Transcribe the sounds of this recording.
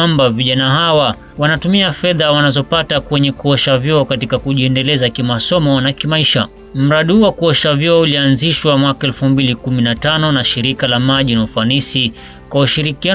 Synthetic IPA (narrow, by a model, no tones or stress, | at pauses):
ambaviʄanahawa | wanatumiafɛðawanazɔpatakwɛɲɛkuɔʃavjɔɔkatikakuʄiɛndɛlɛzakimasɔmɔnakimaiʃa̰ | m̩ɾaɗihuwakuɔʃavjɔɔulianziʃwamwakaɛlfumbilikuminatanɔnaʃiɾikalamaʄinaufanisi | kwauʃiɾikia